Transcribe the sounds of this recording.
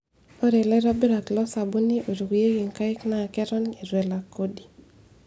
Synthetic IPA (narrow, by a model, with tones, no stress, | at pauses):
o˦ɾe˨lɛ˦ɾa˦bɪ˦ɾa˨klɔ˦sa˨bu˦ni˦ʔo˨ɾu˨ɡje˦ɡi˨ŋka˦ɪ˦kna˦˨kɛ˦ɾɔ˦ne˨zwɛ˨la˨ko˦di˨